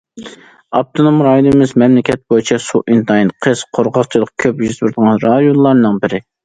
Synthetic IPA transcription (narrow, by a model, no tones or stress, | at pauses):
ɑp̚t̪ʰonomɾɑilɨmɪzmɛmlɪkʲɛt̪̚bojit͡ʃʰɛsuʔint̪ʰɑjinqʰəz̥qʰoɾʁɑqt͡ʃʰɨlˠəq̚kʲʰøpjyzt̪bɪɾd̪əʁɑnɾɑd̪jonlˠɑɾnɨŋbɪɾɪ